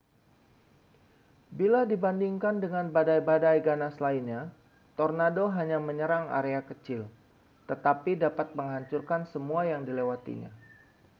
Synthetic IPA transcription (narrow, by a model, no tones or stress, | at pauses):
biladibandiŋkandəŋanbadajbadajɡanaslainɲa | t̪ɔrnadoɦaɲaməɲəɾaŋa̰ɾeakət͡ʃɪl | t̪ət̪apidapat̪̚məŋɦaɲt͡ʃurkansəmuajaŋdilewat̪ḭɲa̰